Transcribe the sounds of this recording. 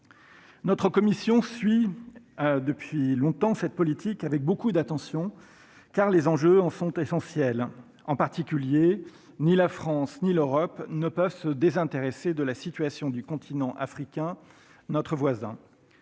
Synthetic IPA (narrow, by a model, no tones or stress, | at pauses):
nɔt̪χəkɔmisjɔ̃sɥi | d̪əpɥilɔ̃t̪ɑ̃sɛt̪̚pɔlit̪ikavɛk̚bokud̪at̪ɑ̃sjɔ̃ | kaʁlezɑ̃ʒøɑ̃sɔ̃t̪esɑ̃sjɛl | ɑ̃paʁt̪ikʲylje | nilafχɑ̃sniløʁɔpnəpœvsəd̪ezɛ̃t̪eʁesed̪əlasit̪ɥasjɔ̃d̪ykɔ̃t̪ʰinɑ̃ʔa̰fχikʲɛ̃ | nɔt̪χəvwazɛ̰̃